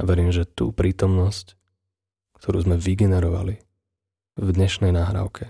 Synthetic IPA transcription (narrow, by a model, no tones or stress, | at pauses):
aʋɛɾiːmʒɛt̪ṵːpɾiːt̪ɔmnɔsc | kt̪ʰɔɾṵːzmɛʋiɡɛnɛɾɔʋa̰li | vd̪ɲɛʃnɛjnaːɦɾa̰ʊkʰɛ